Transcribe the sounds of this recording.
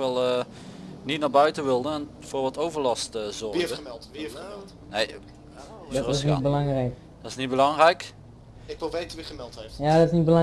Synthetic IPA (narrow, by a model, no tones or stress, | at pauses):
kʋɛlˠə | nitnaːbœɥtəʋɪlˠdəɛn | foːɹʋɑtowvəɹlɑstzɔɹdəəmɛlˠtʋi | nej | drɪs̬nit̚bəlɑŋrɛjk | d̥ɔtɪsnit̚bəlɑŋrɛjk | ɪkʋəlˠʋejtʋɪχəmɛlˠteftjadɔtɪsnit̚bəlɑ